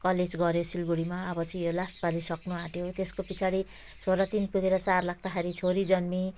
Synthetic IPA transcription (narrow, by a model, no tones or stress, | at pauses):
kʌled͡zɡʌɾjosilɡuɽimaʌbʌt͡sʌĩjolasʈpalisʌknuaʈjot̪eskopit͡sʰaɽi | sʰoɾat̪inpuɡeɾʌt͡sarlaɡ̚t̪axeɾit͡sʰoɾid͡zʌnmi